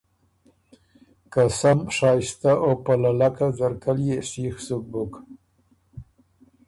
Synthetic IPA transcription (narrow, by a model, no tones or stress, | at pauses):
kasamʂɑst̪aʔopalalakazaɾkaljeʂixsuk̚bʊk